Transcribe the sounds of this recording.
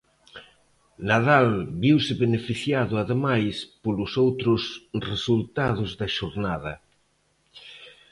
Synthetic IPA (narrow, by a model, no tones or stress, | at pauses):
naðalbiwsɪβenefiθjaðʊaðemajspolʊsowt̪ɾʊsresult̪að̞ʊzðɐʃoɾnaðɐ